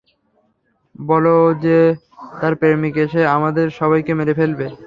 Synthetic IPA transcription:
bɔlod͡ʑe | t̪aɾpeɾmikeʃeamad̪eɾʃɔβajkemeɾefelbe

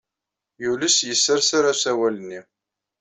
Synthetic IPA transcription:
juləsjəsːəɾsaɾasæwælənːi

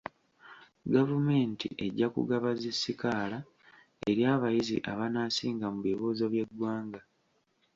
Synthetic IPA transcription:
ɡavume̞ːntḭʔe̞ɟːakṵɡaβazisːikaːla | e̞ɾjaːβajizḭʔaβanaːsiːŋɡamuβiβoːzoβjeɡwaːŋɡa

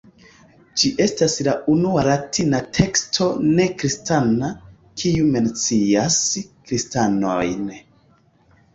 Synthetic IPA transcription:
d͡ʒiʔe̞staslaʔunualatʰinatʰe̞kstʰo̞ne̞kɾistana | kʰiume̞nt͡siaskɾistanojn

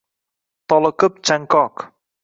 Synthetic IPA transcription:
t̪ɔləkəp̚t͡ʃaŋkɔk

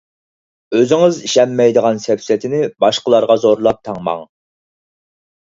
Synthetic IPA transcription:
øzɪŋɪziʃɛmːɛjd̪əʁɑnsɛpsɛt̪ʰɪnɪbɑʃqəlˠɑɾʁɑzoɾlˠɑp̚t̪ʰɑŋmɑ̰ŋ

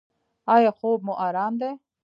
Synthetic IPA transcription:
aːjaxoːb̚muʔaːɾaːnd̪e

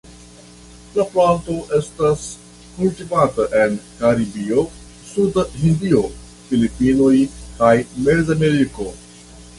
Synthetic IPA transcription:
lɐplãnt̪oʔest̪ɐs | kulʈipaːt̪əʔɛ̃nɖkaɾibio | sud̪ɦĩnd̪io | filipiːnoikajmezɐmeɾiko

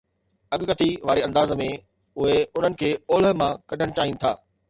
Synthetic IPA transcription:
ɐɠkət̪iʋaːɾeɐ̃nd̪aːzmẽ | ʊɦeʊn̤ənɪ̆kʰeːoːlɦmãkɐɖʱəɽ̃t͡ɕaːɦĩːnɪ̆t̪ʰaː

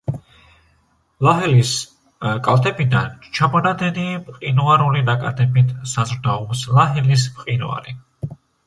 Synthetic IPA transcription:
laɦɛlis | kʼalˠt̪ʰɛbid̪ant͡ʃʰabɔnad̪ɛnimqʼinuaɾulinakʼad̪ʰɛbit̪ʰsazɾd̪aɔpslaɦɛlismqʼinṵa̰ɾi

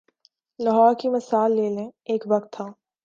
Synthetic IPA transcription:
lɐɦɔːɾkimɐsaːlːeːlẽeːkʋɐkt̪ʰːaː

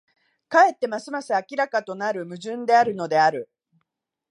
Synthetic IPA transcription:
kae̞t̪ːe̞masɨmasɨakʲiɾakat̪o̞naɾɯ̟mɯ̟ʑɨ̃nd̪e̞aɾɯ̟no̞d̪e̞aɾɯ̟

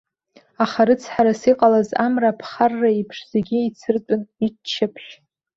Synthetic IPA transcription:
aχaɾɨt͡sʰħaɾasiqʼalaza̰mrapʰχarːaipʰʂz̥eɡʲiit͡sʰɨrtʼʊnit͡ʃʰːɪpʰʃ

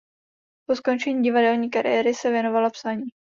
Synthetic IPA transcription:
po̞sko̞nt͡ʃɛɲiːɟɪvadɛlɲiːkaɾɪ̰jɛɾɪsɛvjɛno̞valapsaɲiː

